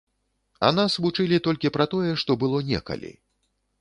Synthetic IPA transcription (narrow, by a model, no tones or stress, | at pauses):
a̰nasvut͡ʂɨlʲit̪ɔlʲkʲipɾɐt̪ɔjɛʂt̪ɔbɨlˠɔnʲɛ̰kɐ̰lʲḭ